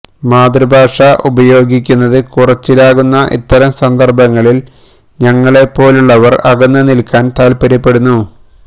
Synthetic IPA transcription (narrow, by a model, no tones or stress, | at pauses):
maːd̪rɨbʱaːʂɐʔubɐjo̞ːɡikʲːunːɐðɨkurɐt͡ɕːilaːɣunːɐʔḭt̪ːɐɾɐmsɐnd̪ɐrbɐŋːɐɭil | ɲɐŋːɐɭe̞pːo̞ːluɭːɐʋɐrɐɣɐnːɨnilkːaːnt̪aːlpɐɾɐpːe̞ɽunːu